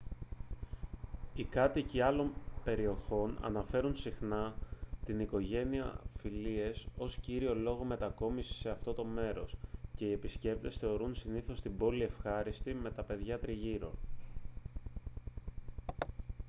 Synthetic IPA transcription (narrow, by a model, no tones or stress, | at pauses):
ikɐt̪iciɐlo̞mpe̞ɾio̞ço̞nɐ̰nɐfe̞ɾunsixnɐt̪iniko̞ʝe̞niɐ̰filie̞so̞sciɾio̞lo̞ɣo̞me̞t̪ɐko̞misi̥se̞ɐft̪o̞t̪o̞me̞ɾo̞sce̞ie̞pisce̞p̚t̪e̞sθe̞o̞ɾunsiniθo̞st̪ibo̞lie̞fxɐɾist̪ime̞t̪ɐpe̞ðʝɐt̪ɾiʝiɾo̞̰